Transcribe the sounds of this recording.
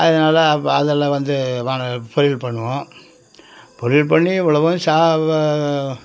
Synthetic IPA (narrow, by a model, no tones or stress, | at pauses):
ɐðɐnaːlɐɐðɐlːɐʋɐnd̪ɯʋaːɳɐpɔɾɪlpɐɳːɯʋõ | pɔɾɪlpɐɳːiɛʋːɐɭɐʋɐsaː